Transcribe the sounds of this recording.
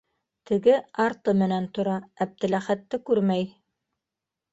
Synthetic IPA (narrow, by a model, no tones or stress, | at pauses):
t̪ɘ̆ɡɘɑɾt̪ɤmɘ̆nænt̪ŏɾɑæp̚t̪ɘ̆læχæt̪ːɘkʉɾmæj